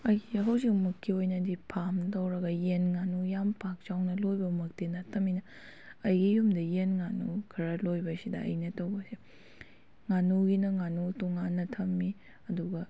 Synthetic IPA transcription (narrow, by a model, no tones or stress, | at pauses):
ɐjɡiɦɐwzik̚mɐkʰːiojnɐdipʰamtɐwɾɐɡɐjenŋanujampak̚t͡ʃawnɐlojbɐmɐk̚tenɐtʰɐminɐ | ɐjɡijumdɐjenŋanukʰɐɾɐlojbɐsidɐɐ̰jnɐtɐwbɐsi | ŋanuɡinɐŋanutoŋanːɐtʰɐmːi | ɐduɡɐ